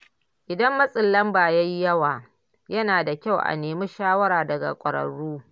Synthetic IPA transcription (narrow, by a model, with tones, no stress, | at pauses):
ʔɪ˨dɐ˦mːɐ˦sʼɪ˨lːɐ˦mbaː˨ja˦ji˦jɐ˦waː˨ | jɐ˦naː˨da˨kʲa˦˨wʔa̰˨neː˨mi˦ʃaː˦wɐ˦ɾaː˨dɐ˨ɡa̰˨kʷʼɐ˨ɾɐ̰˨ɽːuː˦